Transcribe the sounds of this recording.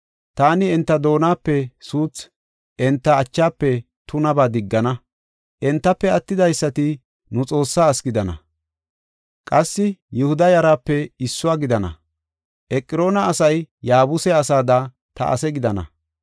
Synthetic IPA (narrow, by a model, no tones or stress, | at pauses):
t̪aːnɪɛnt̪ːɐd̪o̞ːnaːpːɛsuːt͡s | ʔɛnt̪ːɐːt͡ʃːaːpːɛ | t̪ʊnɐbaːd̪ɪɡːɐnɐ | ʔɛnt̪ːɐpːɛɐt̪ːɪd̪ɐjsːɐt̪ɪ | nʊt͡sʼo̞ːsːaːɐskɪd̪ɐnɐ̰ | kʼɐsːɪjɛhʊd̪ɐjɐɾaːpːɛɪsːʊwaːɡɪd̪ɐnɐ̰ | ʔɛkʼːɪɾo̞ːnɐɐsɐjjaːbʊsɛɐsaːd̪aː | t̪ɐ̰ʔɐ̰sɛɡɪd̪ɐnɐ̰